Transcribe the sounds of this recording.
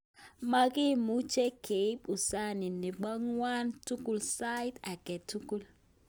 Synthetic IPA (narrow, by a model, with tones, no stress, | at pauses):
ma˦ɡi˦˨mu˦t͡ʃe˦kʰe˨i˦pu˨sa˦ni˨ni˨ɡ͡bɔ˦ŋwa˦ntu˦ku˦˨lsa˦jta˨ɡɛ˨tu˦ku˦l